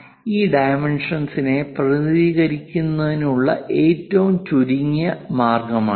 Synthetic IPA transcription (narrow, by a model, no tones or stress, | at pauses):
iːɖɐjmeɳʂɐnsine̞prɐðiːɣɐɾikʲːunːɐðinuɭːɐ̰ʔeːtːɐʋumt͡ɕuɾiŋjɐmaːrɡɐma̰ːɳ